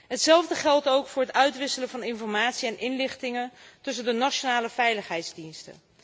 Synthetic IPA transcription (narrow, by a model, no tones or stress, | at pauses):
ɦətsɛlˠvdəχɛlˠtowkfʊːɹɦətœɥtʋɪsələvɑnɪnfɔɹmaːtsiɛnʔɪnlɪχtɪŋəntɵs̬əndənat͡ʃonaːləvɛjləχɦɛjtzdinstə̰